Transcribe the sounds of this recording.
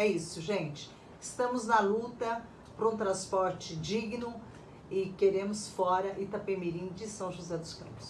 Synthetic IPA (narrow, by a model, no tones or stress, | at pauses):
ɛisʊʒẽt͡ʃɪ̥ | ɪst̪ɐ̃mʊznɐlut̪ɐ | pɾɐũt̪ɾɐ̃spɔɾt͡ʃɪd͡ʒiɡɪnʊ | ɪkeɾẽmʊsfɔɾɐʔɪt̪ɐpemiɾĩd͡ʒɪsɐ̃w̃ʒozɛd̪ʊskɐ̰̃pʊ̥s